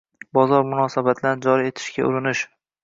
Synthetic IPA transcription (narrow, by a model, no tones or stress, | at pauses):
bɒzɒɾmʊnɒsabat̪ʰlanɪd͡ʒɒɾie̞t̪ʰɪ̥ʃɡʲa̰ʔʊɾɪnɪʃ